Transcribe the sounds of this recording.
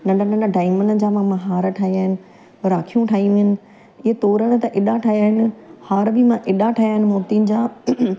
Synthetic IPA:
nɐɖɐnɐɳəɖaːɪmənəd͡ʑaːmãmɐ̃ɦaːɾʈʰaːɦiaːɦɪnɪ̆ | ɾaːkʰijũʈʰaːiũʋɪnɪ̆ | ɪɦet̪oːɾəɽ̃t̪ɐʔɪɗaʈʰaːɦijaːɦɪnɪ̆haːɾbʱɪmãʔɪɗaʈʰaːjaːɦɪnɪ̆moːɾt̪iːnɪd͡ʑaː

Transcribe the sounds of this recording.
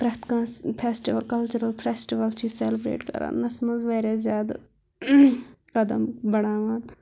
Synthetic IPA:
pɾɐt̪kãːspʰeːsʈiʋəlkɐlt͡ʃuɾəlpʰɾeːsʈiʋəlt͡ʃiseːlɪbɾḛːʈkɐ̰ɾa̰ːnnɐsmɐzʋaːɾeːzjaːd̪̰ | kɐd̪əmbɐɽaːʋaːn

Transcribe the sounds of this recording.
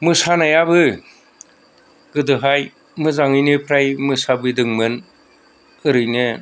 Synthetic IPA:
mɯsanajabɯ | ɡɯdɯɦaj | mɯzaŋɯjnɯpʰɾajmɯsabɯdɯŋmɯn | ɯɾɯjnɯ

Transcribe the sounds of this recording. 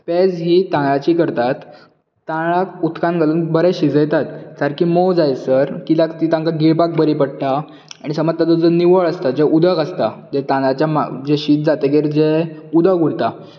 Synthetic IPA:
ped͡zɦiːt̪ãɭat͡ɕiːkəɾt̪at̪ː | ãɭakut̪kãnɡʱaluːnbəɾɛɕid͡zəjt̪at̪səɾkiːmod͡zajsəɾkilakt̪it̪ãŋkaɡiɭpak̚bəɾipəɽʈ̪a | aɽ̃isəməd͡zt̪at̪əd͡zəniʋəɭəst̪ad͡zeʔud̪əkəst̪ad͡zet̪ãat͡ɕjama̰d͡ʑeɕit̪̚d͡zat̪eɡeɾd͡zeud̪əɡuɽt̪a

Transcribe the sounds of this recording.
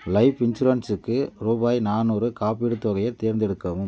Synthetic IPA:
lɐɪpɪnd͡ʒʊɾɐnsɯkːɯɾuːbaːjnaːnuːɾɯkaːpiɽɯt̪ːɔɣɐjɐɾt̪eːɾnd̪ɛɽɯkːɐʋɯm

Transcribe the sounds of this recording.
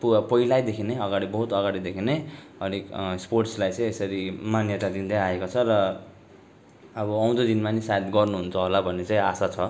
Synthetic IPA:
pupʌilajd̪ekʰineʌɡaɽibʌɦut̪ʌɡaɽid̪ekʰine | ʌ̰ɽiksporʈslajt͡sʌĩesʌɾimanjʌt̪ad̪ind̪aaekot͡sʰʌrʌ | bʌʌw̃d̪od̪inmanisajt̪ɡʌrnuɦunt͡sʰʌɦolabʱʌnːet͡saĩasat͡sʰʌ

